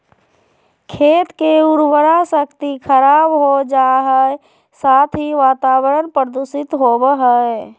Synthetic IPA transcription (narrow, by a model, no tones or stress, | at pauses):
kʰeːt̪keʊɾwəɾasəkt̪ikʰəɾaːbɦod͡ʒaːɦəe | saːt̪ʰɦiʋaːt̪aːwəɾənpɾəd̪usɪt̪ɦobɦəe